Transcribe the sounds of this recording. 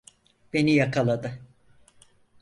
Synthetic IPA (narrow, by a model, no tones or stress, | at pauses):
b̥e̞nijakʰalˠad̪ɯ